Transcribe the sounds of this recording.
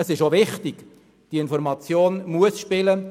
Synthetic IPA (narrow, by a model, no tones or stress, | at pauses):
əsɪʃoʋɪχtɪɡ̥ | d̥iɪnfɔɾmɑt͡sjoːnmuəsʃpɪlə